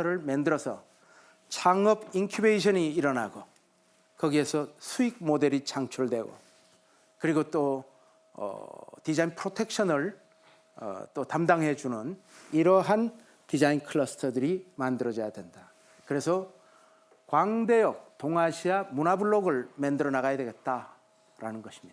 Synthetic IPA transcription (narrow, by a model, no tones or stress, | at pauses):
ʌɾɯɭmendɯɾʌsʰʌ̰ | t͡ɕʰaŋʌbinkʰjubeiɕʰʌniːɾʌna̰ɡo | kʌɡiesʰʌsʰuik̚mode̞ɾit͡ɕaŋt͡ɕʰuɭdwe̞ɡo̰ | kɯɾiɡot͈o | ʌ̰tid͡ʑainpʰɾotʰe̞k̚ɕʰʌnɯɭ̰ | t͈otamdaŋɦe̞d͡ʑunɯniɾʌɦan | tid͡ʑainkʰɯɭʌsʰɯ̥tʰʌdɯɾimandɯɾʌd͡ʑʌjadwe̞nda | kɯɾe̞sʰʌ | kwaŋde̞jʌk̚toŋaɕʰiamunabɯɭːoɡɯɭmendɯɾʌnaɣajadwe̞ɡe̞t̚t͈a | ɾanɯnɡʌɕʰi̥mɲid̥a